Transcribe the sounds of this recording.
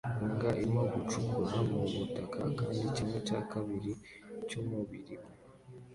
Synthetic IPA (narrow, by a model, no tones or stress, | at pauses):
ŋɡaʔimoɡut͡ʃukuɾamuβutakʰa̰kaːndiceːŋɡacakʰaβiɾi | coːmuβiɾiβu